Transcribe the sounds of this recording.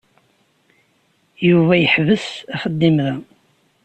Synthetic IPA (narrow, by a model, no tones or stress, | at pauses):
juvæjəħvəsæχəd̪ːimðæ